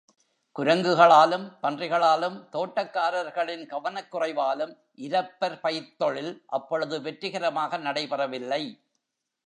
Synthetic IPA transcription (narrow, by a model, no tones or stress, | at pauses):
kʊɾɐŋɡɯɣɐɭaːlɯmpɐndrɪɣɐɭaːlɯmt̪oːʈːɐkːaːɾɐɾɣɐɭɪnɡɐʋɐnɐkːʊrɐɪʋaːlɯm | ʔɪɾɐpːɐɾpɐjt̪ːɔɭɪlʔɐpːɔɻɯðɯʋɛʈrɯɣɐɾɐmaːɣɐnɐɽɐɪpɐrɐʋɪlːɐɪ